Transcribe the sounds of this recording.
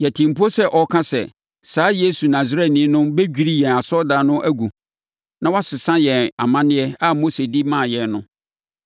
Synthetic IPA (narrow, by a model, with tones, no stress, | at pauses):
jɛ˨tʰĩ˨m̩˨pu˦ɔ˦sɛ˦ʔɔ˨kʰã˦sɛ̰˨ | saː˨˦je˦su˨nã˨zɾɛ˦tnɪ̃˨˦nʊ̃˦be˦d͡ʑᶣi˦ɾi˦jɛ̃˨a˨sɔ˦da˨nʊ̃˦ʔæ˦ɡu˨ | nã˦wa˦sɪ˨sã˦jɛ̃˨a̰˨mã˦nɪ̃˦ɛ˦a˦mo˦se˨di˦mã˦˨jɛ̃˨nnʊ̰̃˦